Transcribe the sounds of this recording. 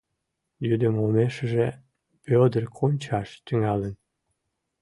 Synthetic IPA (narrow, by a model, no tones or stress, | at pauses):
jyd̪əmomeʃəʒe | pød̪ərkʰonʲt͡ɕɑʃt̪yŋɑlən